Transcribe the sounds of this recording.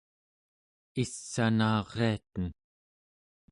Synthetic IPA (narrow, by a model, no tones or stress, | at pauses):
isːanɑːʁeat̪ən